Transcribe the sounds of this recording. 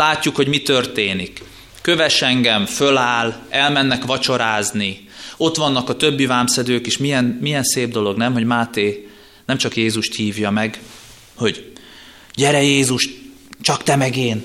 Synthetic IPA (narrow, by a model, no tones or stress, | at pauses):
laːcːukhoɟmit̪ø̞rt̪eːnikː | øvɛʃɛŋɡɛmfø̞laːlɛlmɛnːɛkʋɒt͡ʃo̞ɾaːzni | o̞t̪ʋɒnːɒkɒt̪ø̞bːivaːmsɛd̪øːkeːʃmijɛnmijɛnseːb̚d̪o̞lo̞ɡnɛmɦo̞ɟmaːt̪eː | nɛmt͡ʃɒkjeːzuʃt̪hiːvjɒmɛɡ | ho̞ɟ | ɟɛɾɛjeːzuʃt̪ | t͡ʃɒkt̪ɛmɛɡeːn